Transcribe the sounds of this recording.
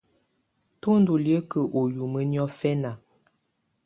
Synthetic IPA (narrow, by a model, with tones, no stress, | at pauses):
to˦n˦du˨ljə˦kə˨ʔo˨ju˨mə˦njɔ˦fɛ˦na˨